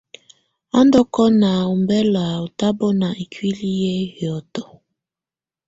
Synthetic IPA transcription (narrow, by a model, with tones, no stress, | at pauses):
a˦ndɔ˦kɔ˦na˨u˨mbɛ˦la˨o˨ta˦bɔ˦na˨i˨kwi˦li˦jɛ˦hjɔ˨tɔ˨